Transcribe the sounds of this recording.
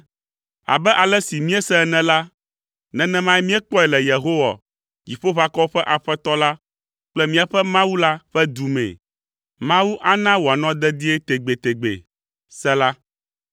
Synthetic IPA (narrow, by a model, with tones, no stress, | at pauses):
a̰˨bɛ˦ʔa˨lɛ˦si˨mĩ˦ɛ˦sɛ˦ɛ˦nɛ̃˦la˦ | nɛ̃˨nɛ̃˦mã˦ɛ˦mĩ˦ɛ˦k͡pɔ˦ɛ˨lɛ˨je˨ɦo˦wa̰˨ | ji˨ɸo˦βa˦kɔ˦ɸɛ˦ʔa˨ɸɛ˦t̪ɔ˦la˦ | k͡plɛ˦mĩ˦a˨ɸɛ˦mã˦wu˦la˦ɸɛ˦d̪u˨mɛ̰̃˨ | mã˦wu˦ʔa˦nã˦wo˨a˨nɔ̃˦d̪ɛ˦d̪i˦ɛ˦t̪e˨ɡ͡be˨t̪e˨ɡ͡bḛ˨ | sɛ˦la˦